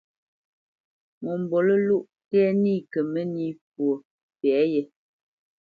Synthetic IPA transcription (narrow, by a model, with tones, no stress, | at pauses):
mɔ˨m˨bɔ˨lə˦lu˦ʔ | tɛː˦niː˦˨kə˨mə˦ni˦pwo˨ | pɛ˨˦jɛ˨